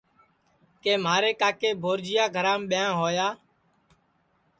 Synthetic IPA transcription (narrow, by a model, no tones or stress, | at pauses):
keːmaːɾeːkaːkeːbʱoːɾd͡ʒɪjaːɡʱəɾãːmɓɪjãːɦoːjaː